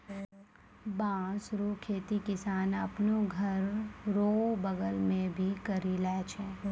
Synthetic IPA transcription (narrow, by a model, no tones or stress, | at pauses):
bãːsɾukʰeːt̪ikɪsaːnɐpnoɡʱɐɾɾoːbəɡəlmẽbʱikəɾilɛːt͡ʃʰɛ̃ː